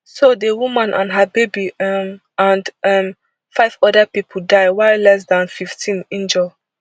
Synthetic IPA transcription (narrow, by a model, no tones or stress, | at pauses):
sodəwumãnʔã̰nɦəbebim | ãndɛm | faɪvɔdəpipʰldaɪwaɪlɛs̬dãnfiftʰĩnĩnd͡ʒɛl